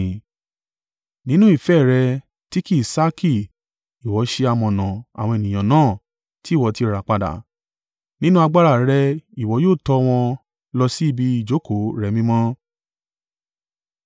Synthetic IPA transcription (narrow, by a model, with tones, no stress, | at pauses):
nĩ˦nũ˦i˦˨fɛ˦˨ɾɛ˧ | ti˦ki˦˨i˨sa˦ki˦˨ | i˨wɔ˨˦ʃe˧a˧mɔ̃˨nã˨a̰˨w̃ɔ̃˧e˨nĩ˨ã˨nãː˦˨ | ti˦˨wɔ˨˦ti˧ɾa˨k͡pa˨˧da̰˨ | nĩ˦nũ˦a˧ɡ͡ba˧ɾa˦˨ɾɛ˧i˨wɔ˨˦joː˦˨tɔ˧w̃ɔ̃˧ | lɔ˧si˦i˦˧bi˧i˦˨d͡ʒo˨˦ko˨˦ɾɛ˧˦mĩ˦mɔ̃˦